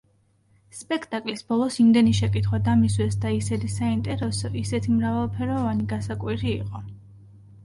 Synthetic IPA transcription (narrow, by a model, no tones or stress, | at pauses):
spʼɛkʰt̪ʼakʼlisbɔlˠɔsimd̪ɛniʃɛkʼit̪ʰχwad̪amiswɛsd̪aisɛd̪isaint̪ʼɛɾɛsɔʔisɛt̪ʰimɾavalˠpʰɛɾɔvaniɡasakʼwiɾiːqʼɔ